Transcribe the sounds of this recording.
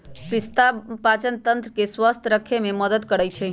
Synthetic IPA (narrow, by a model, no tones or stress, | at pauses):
pist̪apat͡ʃənt̪ənt̪ɾəkeswəst̪ʰɾəkʰːememəd̪əd̪kəɽəjt͡ʃʰɛ